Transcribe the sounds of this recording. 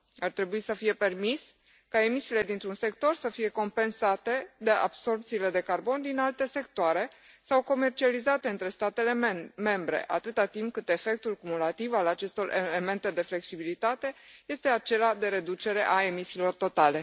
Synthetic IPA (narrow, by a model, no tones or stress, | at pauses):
art̪ɾe̞buisəfije̞pe̞rmis | kae̞misiːle̞d̪int̪ɾunse̞kt̪o̞rsəfije̞ko̞mpe̞nsat̪e̞d̪e̞ʔa̰b̥so̞rpt̪siːle̞d̪e̞karbo̞nd̪inalt̪e̞se̞kt̪oaɾe̞ | sawko̞me̞rt͡ʃializat̪eɨnt̪ɾe̞st̪at̪e̞leme̞mbɾe̞̰ʔa̰t̪ɨt̪at̪imp̚kɨt̪e̞fe̞k̚t̪ulkumulat̪ivalat͡ʃe̞st̪o̞rʔeleme̞nt̪e̞d̪e̞fle̞ksibilit̪at̪e̞je̞st̪e̞at͡ʃe̞lad̪e̞ɾe̞d̪ut͡ʃe̞ɾe̞ʔae̞misiːlo̞rt̪o̞t̪ale̞